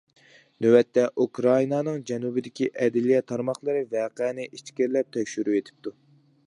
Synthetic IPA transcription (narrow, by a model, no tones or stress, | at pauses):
nøwɛt̪ʰːɛʔukɾɑinɑnɨŋd͡ʒɛnubɪd̪ɪkʲʰiʔɛd̪ɪlijɛt̪ʰɑɾmɑχlˠɨɾɨvɛːqɛnɪʔit͡ʃkʲiɾlɛp̚t̪ʰɛkʲʃyɾyet̪ʰɪ̥p̚t̪ʰu